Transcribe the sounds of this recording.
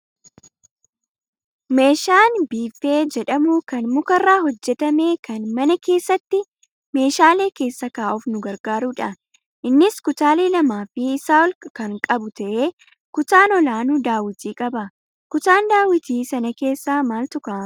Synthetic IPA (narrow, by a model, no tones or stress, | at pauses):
me̞ːʃaːnbiːfe̞ːd͡ʒɛᶑɐmʊkɐnmʊkɐrːaːhɔd͡ʒːɛt̪ɐme̞ːkɐnmɐnɐke̞ːsːɐt̪ːɪ | me̞ːʃaːle̞ːke̞ːsːɐkaːʔʊfnʊɡɐɾɡaːɾuːᶑɐ | ʔɪnːɪskʊt̪aːle̞ːlɐmaːfɪsaːɔlkɐŋkʼɐbʊt̪ɐʔe̞ː | kʊt̪aːnɔlaːnʊd̪aːwɪt̪iːkʼɐbɐ | kʊt̪aːnd̪aːwɪt̪iːsɐnɐke̞ːsːaːmaːlt̪ʊkaː